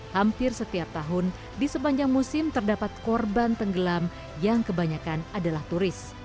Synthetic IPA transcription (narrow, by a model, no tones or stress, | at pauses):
hampɪrsət̪iap̚t̪aɦʊn | disəpaɲd͡ʒaŋmusɪmt̪ərdapat̪̚kɔrbant̪əŋɡəlam | jaŋkəbaɲakanadalaht̪uɾɪs